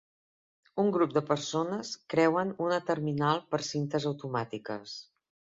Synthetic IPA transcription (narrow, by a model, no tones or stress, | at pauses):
uŋɡɾup̚d̪əpərsonəskɾɛwənunət̪əɾminalˠpəɾsint̪əzəwt̪umat̪ikəs